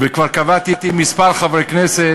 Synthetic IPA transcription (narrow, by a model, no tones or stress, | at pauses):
vekvaʁkavat̪it̪imispaɾχavʁeknese